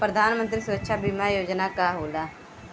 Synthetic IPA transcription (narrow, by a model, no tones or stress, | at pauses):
pɾəd̪ʱaːnmənt̪ɾiːsʊɾəkʃʰaːbiːmaːjoːd͡ʒnaːkaːɦoːlaː